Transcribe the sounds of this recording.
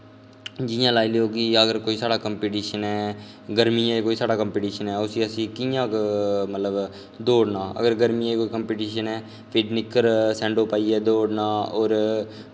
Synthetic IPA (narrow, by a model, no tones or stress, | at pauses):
d͡ʒɪjãːlaːiːleːoːkɪəɡəɾkoːiːsaːɽaːkəmpiːʈiːʃənɦɛː | ɡəɾmiːãːkoːiːsaːɽaːkəmpiːʈiːʃənɦɛːʊsiːəsĩːkijãːkmət̪ləb | d̪oːɽnaːə̰ɡəɾɡəɾmiːãekoːiːkəmpiːʈiːʃənɛː | pʰɪʈnɪkːəɾsɛ̃ːɳɖoːpaːiːɛːd̪oːɽnaːoːɾ